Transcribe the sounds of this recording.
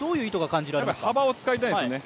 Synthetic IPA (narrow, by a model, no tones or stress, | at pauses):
d̪o̞ːjɯ̟ːit̪oɡakãɲ̟d͡ʑiɾaɾeashkabaot͡sɨ̥kait̪̬ãĩssone